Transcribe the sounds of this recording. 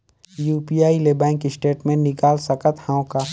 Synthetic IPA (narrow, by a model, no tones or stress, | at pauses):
juːpijaːilebɛ̃ːŋkisʈeːʈmẽnnɪkaːlsɐkət̪hãːõka